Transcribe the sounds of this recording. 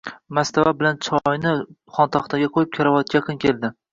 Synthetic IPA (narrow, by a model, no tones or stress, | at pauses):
mast̪ʰavabɪlant͡ʃʰɒjnɪ | χɒnt̪ʰɒχt̪ʰaɡʲaqʰojɪp̚kʲʰaɾavɒt̪̚kʲajɑqʰɨnkʲʰe̞lˠd̪ɪ